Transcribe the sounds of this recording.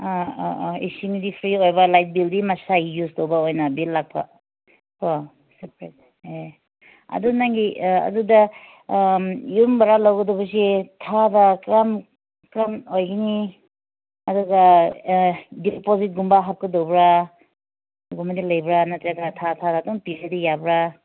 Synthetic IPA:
a̰ḭsiŋdipʰɾiojbɐlajt̚bildimɐsaɡijuztowbaojnɐbilːak̚pʰa̰ | kʰo | sipɾet̚ | e | ɐ̰dunaŋɡiɐ̰dudɐ | jumbɐɾalawɡɐdɔbɐs̬itʰabakɾam | kɾamojɡini | ɐduɡɐ | dipozit̚ɡumbaɦap̚kɯdowbɾa | ɡumadilɐjbɾanatɾaɡatʰatʰadatɔŋpiɾedijabɾa

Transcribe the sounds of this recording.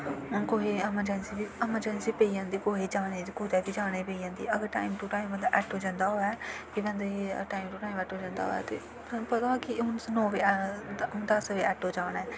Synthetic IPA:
ɦʊnkoːɦeːɛməɾd͡ʒɛnsiːbiɛməɾd͡ʒɛːnsiːpeːiãːnd̪iːkoːɦeːd͡ʒaːneːkʊːd̪ɛːbiːd͡ʒaːɽeːpeiːjãːnd̪ḭːəɡəɾʈa̰ːimʈuːʈaːimbə̃nd̪aʔɛːʈɦoːd͡ʒãːnd̪aːɦoːɛːkibɛ̃nd̪eʈaːimʈuːʈaːimɛːʈɦoːd͡ʒãːnd̪a̰ɦo̰ːɛ̰ːt̪ḛː | pət̪akɪɦʊnnɔːʋeːɦʊnd̪əsʋeːɛːʈɦoːd͡ʒaːɽ̃ɛː

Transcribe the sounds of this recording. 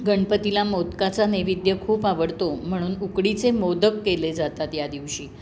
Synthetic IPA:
ɡəɳpət̪ilamot̪kat͡saneʋid̪jəkʰuːpaʋəɽt̪om̤əɽ̃uːnukɽit͡semod̪əkːeled͡zat̪at̪jad̪iʋɕiː

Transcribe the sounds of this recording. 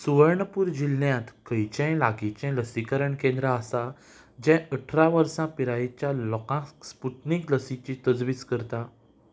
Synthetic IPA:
suʋəɾɳəpuːɾd͡ʑilːjãt̪kəjt͡ɕɛ̃laɡit͡ɕɛ̃ləsikəɾəɳkẽnd̪ɾaasa | d͡ʑɛ̃əʈʰɾaʋəɾsãpiɾait͡ɕjalɔkãspuʈnikləsit͡ɕit̪əd͡zʋiːskəɾt̪a

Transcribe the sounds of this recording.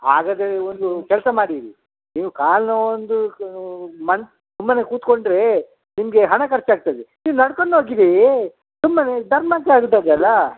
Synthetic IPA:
a̰ːɡɐd̪ɾeond̪ukɛlsɐmaːɽiɾi | niːʋukaːlnɐond̪u | mɐn | t̪umːɐnekuːt̪ko̞ɳɖɾe̞ | nimɐɡe̞ɦɐɳɐkɐɾt͡ʃiaːɡ̚t̪ad̪eniːʋunɐɽkoɳːoːɡid̪e | t̪umːɐned̪ɐɾmaːkːeaːɡut̪ːaːd̪eɐlːa

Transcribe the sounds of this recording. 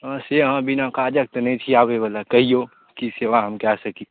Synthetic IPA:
ãseɦãbinãkad͡ʒək̚t̪nəĩt͡ʃʰiaːbebəlakəɦio | kiseʋaɦəmkɛsəki

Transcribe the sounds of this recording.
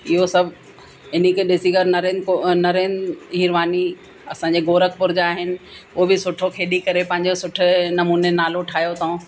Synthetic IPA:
ɪɦosɐbʱ | ɪnikeɗɪsiɡəɾnɐɾẽːnonɐɾeːnɦɪɾʋaːni | ɐsãɲ̆d͡ʑeɡoːɾəkʰpʊɾɪd͡ʑaːɦɪnɪ̆ʊɦobɪsʊʈʰokʰeːɗikɐɾepɐ̃ɦɪ̃ɲ̆d͡ʑosʊʈʰʊ̆nɐmuːnenaːloʈʰaːjot̪ɐũ

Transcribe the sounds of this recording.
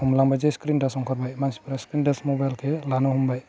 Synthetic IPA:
humlaŋbajd͡ʒeskɾinɖasɔŋkʰɔɾbajmansi̥pɾaskɾindasmobajlkʰɛlanɔɦumbaj

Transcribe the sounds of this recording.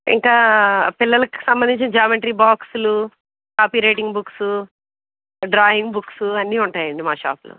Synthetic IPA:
ḭŋkaːpilːɐlɐki̥sɐmbɐnd̪iɲt͡ʃinɐd͡ʒaːmeɳʈɐɾiːbaːksulu | kaːpiːɾeːʈiŋɡbuksu | ɖɾaːjiŋɡbuksuɐnːiːuɳʈaːjɐɳɖimaːʃa̰ːplṵ

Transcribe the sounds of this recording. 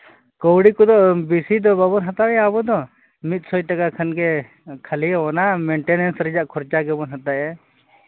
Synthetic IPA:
kɔwɽikɔd̪ɔʔbisid̪ɔbabɔnɦat̪aɛabɔd̪ɔ | mit̪̚ˀsɔjʈakakʰanɡɛ | kʰaliɔɔnamɛɳʈɛnɛnsɾɛd͡ʒaʔkʰɔɾt͡ʃaɡɛbɔnɦat̪aʔɛ

